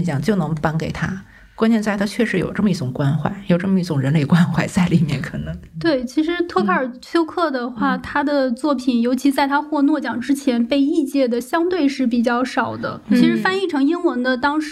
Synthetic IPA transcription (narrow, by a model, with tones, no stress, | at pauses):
t͡ɕjɑ˨˩ŋt͡ɕjo˥˩ʊnɤ˧˥ŋpa˥nke˨˩ɪt̪ʰa̰˥ | kwa˥nt͡ɕjɛ˥˧nt͡sa˥˧ɪt̪ʰa˥t͡ɕʰɥɛ˥˩ʂɻ̩˧˥jo̰˨˩ʊʈ͡ʂɤ˥˩mə˩˧i˥˩ʈ͡ʂʊ˨˩ŋkwa˥nxwa̰˥˩ɪjo˨˩ʊʈ͡ʂɤ˥˩mə˩i˥˩ʈ͡ʂʊ˨˩ŋɻə˧˥nle˥˩ɪkwa˥nxwa˥˩ɪt͡sa˥˩ɪli˨˩mjɛ̰˥˩nkʰɤ˨˩nɤ˧˥ŋt̪we˥˩ɪt͡ɕʰi˧˥ʂɻ̩˧˥t̪ʰɤ˥˧kʰa˥˩ə˞˨˩t͡ɕʰjo˥ʊkʰɤ˥˩d̪ə˩xwa˥˩t̪ʰa˥d̪ə˨t͡swɔ˥˩pʰi˨˩njo˧˥ʊt͡ɕʰi˧˥t͡sa˥˩ɪt̪ʰa˥xwɔ˥˧nwɔ˥˩t͡ɕjɑ˨˩ŋʈ͡ʂɻ̩˥t͡ɕʰjɛ˧˥npe˥˧ɪi˥˧t͡ɕjɛ˥˩d̪ə˩ɕjɑ˥ŋt̪we˥˧ɪʂɻ̩˥˩p̬i˨˩t͡ɕjɑ˥˩ʊʂɑ˨˩ʊd̪ə̰˦t͡ɕʰi˧˥ʂɻ̩˧˥fa˥˧ni˥˩ʈ͡ʂʰɤ˧˥ŋi˥nwə˧˥nd̪ə˧t̪ɑ˥ŋʂ